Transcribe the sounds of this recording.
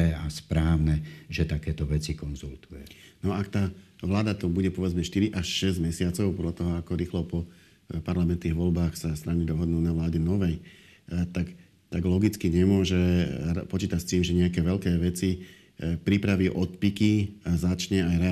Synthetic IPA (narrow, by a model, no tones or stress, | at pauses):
ɛaspɾaːʊnɛʒɛt̪akɛːt̪ɔʋɛt͡sikɔnzult̪ujɛnɔakt̪aːʋlaːd̪at̪ɔbuɟɛpɔɔʋɛd͡zmɛʃt̪iɾiʔaʃʃɛzɟmɛsɪat͡sɔʊpɔd̪ʎat̪ɔɦɔakɔɾiːxlɔpɔ | paɾlamɛnt̪niːɣʋɔlbaːxsast̪ɾanid̪ɔɦɔd̪nuːnaʋlaːɟɛnɔʋɛj | t̪ak | t̪aɡlɔɡit͡skiɲɛmʊɔʒɛpɔt͡ʃiːt̪acst̪iːmʒɛɲɛakɛːʋɛʎkɛːʋɛt͡si | pɾipɾaʋiːʔɔt̪̚pikiazat͡ʃɲɛajɾɛ